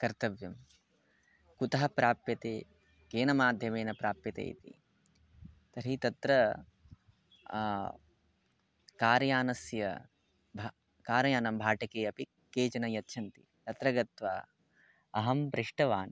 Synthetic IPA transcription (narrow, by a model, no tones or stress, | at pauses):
kɐɾt̪ɐʋjɐm | kut̪ɐɦɐpɾaːpjɐt̪eː | keːnɐmaːd̪ʱjɐmeːnɐpɾaːpjɐt̪ḛːj̰t̪ḭ | t̪ɐɾit̪ɐt̪ɾɐ | kaːɾjaːnɐsjɐ̰ | bʱ | kaːɾɐjaːnɐmbʱaːʈɐkeːjɐpi | keːt͡ʃɐnɐjɐtːʃʰɐnt̪i | t̪ɐt̪ɾɐɡɐt̪ʋaː | ɐɦɐmpɾɪʂʈɐʋaːn